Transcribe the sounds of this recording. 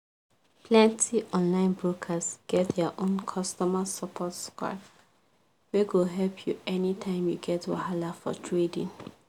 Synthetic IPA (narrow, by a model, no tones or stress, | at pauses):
pʰlɛ̃ntʰiʔɔ̃nlãɪ̃nbɹokʰasɡ̥ɛt̚dɛaʔõnkʰɔstɔmasapʰɔtska̰p | weɡoɦɛlpʰjuɛnitʰãɪ̃mjuɡɛtwa̰halafɔ̰tʰɹedḭ̃ŋ